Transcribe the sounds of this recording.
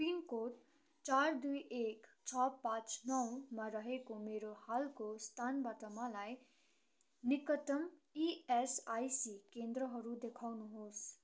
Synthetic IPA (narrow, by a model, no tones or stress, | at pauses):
pinkoʈ | t͡sard̪ujʔekt͡sʰʌpãt͡snʌwmaɾʌɦekomeɾohalkost̪ʰanbat̪ʌmalaj | nikʌʈʌmiesajsikend̪ɾʌɦʌɾud̪ekʰawnuɦos